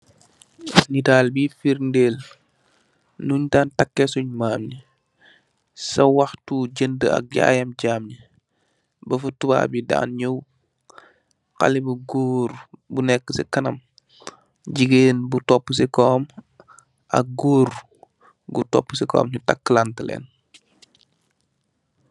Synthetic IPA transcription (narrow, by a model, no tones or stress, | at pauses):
snitaːlbifiɾndeːl | nuɲtaːntakːesuɲmaːmɲi | sɐwɐxtuɟəndəɐ̰k̚ɟa̰jɐmɟaːmɲi | bəfutuba̰ːbida̰ːnɲəw | xa̰libəɡoːɾbunɛkːəsikɐnɐm | ɟiɡeːnbutɔpːəs̬ikɔːm | ʔɐ̰k̚ɡoːɾ | ɡutɔ̰pːəsikɔ̰ːmɲutakːlantəlɛ̰ːn